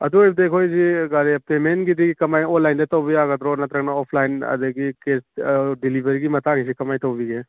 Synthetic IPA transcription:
ɐd̪uebd̪eːkʰoːid͡ʒiɡaːlepeːmeːnkit̪ikikɐmaːĩoːlaːɪnd̪et̪oːbiaːɡət̪ɾoːnat̪ɾɐkʰnaɔːpʰlaːɪnɐ̰d̪əkikeːsɖɪlibəɾikimɐt̪aːkʰit͡ʃikɐmaːĩt̪obʱiɡe

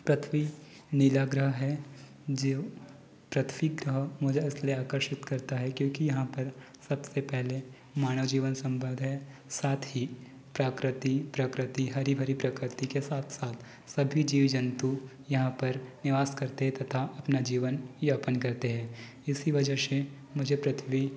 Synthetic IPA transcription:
pɾɐt̪ʰʋi | nɪlaːɡɾəɦɦɛ | d͡ʒe | pɾɐt̪ʰʋikɡɾəɦmʊːd͡ʒɪsleaːkəɾʃɪt̪kɐɾt̪aɦɛkjõːkijɐɦãpɐɾ | sɐbsepɛɦle | maːñəʋd͡ʒiːʋənsɐ̃mbə̃nd̪ʱɦɛ | saːt̪ʰɦi | pɾaːkɾɪt̪ipɾɐkɾɪt̪iɦɐɾibʱəɾipɾɐkɾɪt̪ikesaːt̪ʰsaːt̪ʰ | sɐbʱid͡ʒiːʋd͡ʒɐnt̪u | jɐɦãpɐɾnɪʋaːskɐɾt̪eɦɛ̃t̪ɐt̪ʰaʔɐpnad͡ʒiːʋənjaːpənkɐɾt̪eɦɛ̃ː | ɪsiʋɐd͡ʒəʃe | mʊd͡ʒʱepɾɐt̪ʰʋi

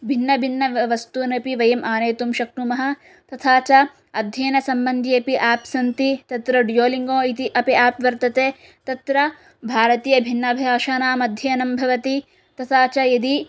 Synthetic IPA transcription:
bʱinːɐbʱinːɐʋɐst̪uːnɐpiʋɐjɐmʔaːneːt̪umʃɐk̚ʈumɐɦɐ̆ | t̪ɐt̪ʰaːt͡ʃɐ | ɐd̪ʱjɐːnɐsɐmbɐnd̪ʱiɐpiʔaːpsɐnt̪it̪ɐt̪ɾɐɖjoːliŋɡõːit̪iʔɐpiaːpʋɐɾt̪ɐt̪eː | t̪ɐt̪ɾɐ | bʱaːɾɐt̪iːjɐbʱinːɐbʱijaːʃaːnaːmɐd̪ʱjɐɐnɐmbʱɐʋɐt̪i | t̪ɐt̪ʰaːt͡ʃɐjɐd̪i

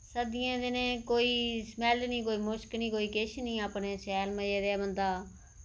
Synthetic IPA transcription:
səd̪ɪjãːd̪ɪnẽːkoːiːsmɛːlniːkoːiːmʊʃkniːkoːiːkɪʃnĩːaːpneːsɛːlməeːd̪eːbənd̪aː

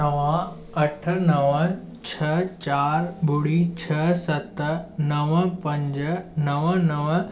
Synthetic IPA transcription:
əʋã | əʈʰnɐʋə | t͡ɕʰɐt͡ɕaːɾbʱuɽit͡ɕʰəsɐt̪nəʋəpɐ̃ɲd͡ʑnəʋənəʋ

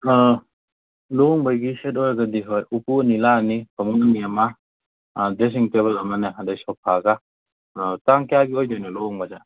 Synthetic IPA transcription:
loŋbajɡiset̬ojɾaɡadiɦojupuɐnilanibʰɐmuŋɐniama | des̬iŋteβɐlɐmanɯɦadajsɔpʰaɡa | taŋkejaɡiojdojnɔlɔŋbad͡ʒa

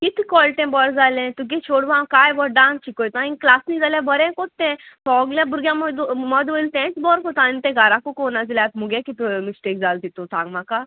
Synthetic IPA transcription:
kit̪ʰkɔlʈ̪ẽbɔɾd͡zaːlẽt̪uɡ̬et͡ʃʰoːɽʋãkaːjʋɔɖãːnt͡ʃʰikojt̪ãĩnklaːsnĩd͡zaljãbəɾɛ̃kot̪ːɛ̃t̪ɔːɡljãbuɾɡjãmd̪mɔd̪ʋəilt̪ɛ̃t͡sbɔɾkot̪ãnt̪ẽɡaːɾakokonad͡zilat̪muɡẽkit̪umisʈekd͡zaːlt̪it̪ũt̪ʰãŋɡmãka

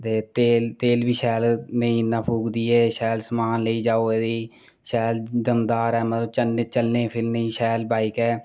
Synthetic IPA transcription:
t̪eːt̪eːlt̪eːlbiːʃɛːlnəĩːnaːpʰuːɡd̪iːɛːʃɛːlsəmaːnləiːd͡ʒaːoːed̪iː | ʃɛːld̪əmd̪aːɾɛːmət̪ləb̚t͡ʃəlneːt͡ʃəlnẽːpʰɪlnəĩːʃɛːlbaːikɛː

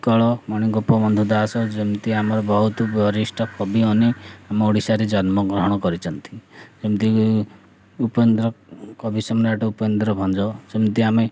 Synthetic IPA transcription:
kɔɭɔmɔɽ̃iŋɡopɔmɔnd̪ʱud̪asɔd͡ʒemt̪iamɔɾɔbɔɦut̪ɔbɔɾisʈɔkʰɔbiɔniameoɽisaɾed͡ʒɔnmɔɡɾɔɦɔɽ̃ɔkɔɾit͡ʃʰɔnt̪ʰi̥d͡ʒemt̪i | upend̪ɾɔkɔbʱisɔmnaʈɔupɔend̪ɾɔbʱɔnd͡ʒɔsemt̪iame

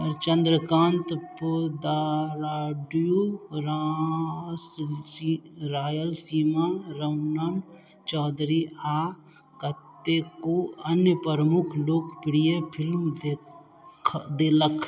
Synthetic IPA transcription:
ɔɾt͡ʃə̃nd̪ɾəkãːnt̪pːd̪aɾaːɖjuɾa | s | ɾaːjəlsiːmaɾɐʋnən | t͡ʃɔːd̪ɾiaː | kət̪ːekoɐnjəpəɾəmʊkʰloːkʰpɪɽijepʰɪlmd̪e | d̪eːləkʰ

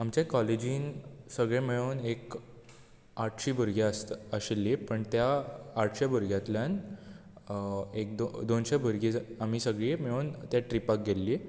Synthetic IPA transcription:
amt͡ɕãkɔled͡ʑiːnsəɡɭẽmeɭonek | aʈʰɕiːbʱəɾɡjaəst̪əɕelːiːpəɳt̪jaːʈʰɕabʱəɾɡjat̪ljan | ek̚d̪od̪onɕebʱəɾɡid͡zam̤iːsəɡɭiːmeɭoːnt̪jaʈɾipak̚ɡelːiː

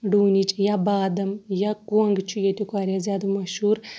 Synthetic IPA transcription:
ɖuːnʲit͡ʃʼjabaːd̪ɐmjakuɐŋɡt͡ʃʰujet̪ikaːɾʲjazʲjaːd̪ɐmɐʃhuːɾ

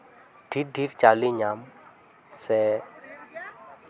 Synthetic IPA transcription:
ɖ̥ʱiɖiɾt͡ʃaliɲam | sɛ

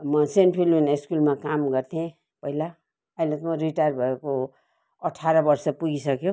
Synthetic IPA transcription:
mʌsenʈpʰiluneskulmakamɡʌrt̪ʰiẽ | pʌɦila | ajlet̪mʌɾiʈajrbʱʌeko | ʌʈʰaɾʌbʌrsʌpuɡisʌkjõ

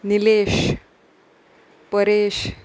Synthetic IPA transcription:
nileɕ | pəɾeɕ

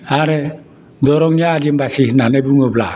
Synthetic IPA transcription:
aɾɛ | dɔɾɔŋiad͡ʒimbasihnanɛbuŋobla̰

